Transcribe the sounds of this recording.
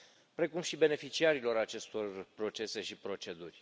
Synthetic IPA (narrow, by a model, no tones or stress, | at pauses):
pɾe̞kumʃibe̞ne̞fit͡ʃiaɾilo̞ɾat͡ʃe̞st̪o̞rpɾo̞t͡ʃe̞se̞ʃipɾo̞t͡ʃe̞d̪urʲ